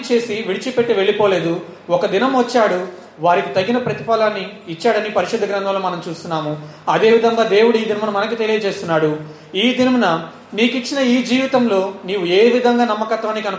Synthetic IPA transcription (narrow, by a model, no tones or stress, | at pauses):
t͡ʃe̞ːsiʋiɽit͡ʃipe̞ʈːiʋe̞ɭːipoːle̞ːd̪u | ɔkɐd̪inɐmʋɐt͡ʃːaːɽu | ʋaːɾikit̪ɐɡːinɐpɾɐt̪ipaːlaːnːiːt͡ʃːaːɽɐnipɐɾiʃud̪ːɐɡɾɐnd̪ʱɐmloːmɐnɐmt͡ʃuːst̪unːaːmu | ɐd̪e̞ːʋid̪ʱɐŋɡaːd̪e̞ːwuɽuiːd̪inɐmɐnɐmɐnɐk̬it̪e̞lijɐɐd͡ʒe̞ːst̪unːaːɽu | iːd̪inɐmɐnɐ | niːkit͡ʃːinɐiːd͡ʒiːʋit̪ɐmlo̞ːniːwue̞ːʋid̪ʱɐŋɡaːnɐmːɐkɐt̪ʋaːnːikɐnu